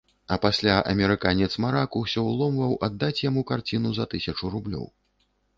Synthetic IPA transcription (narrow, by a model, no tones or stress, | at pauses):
ɐpasʲlʲaʔɐ̰mʲɛɾɨkanʲɛt̪smaɾakusʲɔwlˠɔmvɐwʔad̪ːat͡sʲjamukart͡sʲinuzɐt̪ɨsʲɐt͡ʂuɾublʲɔ̰w